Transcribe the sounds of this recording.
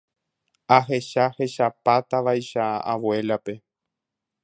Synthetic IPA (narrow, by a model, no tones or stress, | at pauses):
aɦe̞ʃahe̞ʃapat̪aʋajʃaawwe̞lape̞